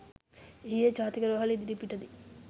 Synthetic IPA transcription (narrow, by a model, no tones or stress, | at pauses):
eɦijet͡ʃaːt̪ikɐɾɐʋɐɦalid̪iɾipiʈɐd̪i